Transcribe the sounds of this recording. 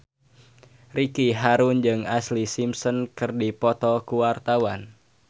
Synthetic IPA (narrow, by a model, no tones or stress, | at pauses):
rikiɦaɾund͡ʒɨŋaslisimsɔnkɨrdipɔt̪ɔkuwart̪awan